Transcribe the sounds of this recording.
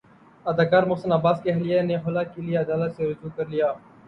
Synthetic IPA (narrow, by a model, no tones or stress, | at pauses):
ɐd̪aːkaːɾmʊːsənaːbaːskeɦɐlijeneɦʊlakilieɐd̪aːlət̪seɾʊd͡ʒuːkɐɾlijaː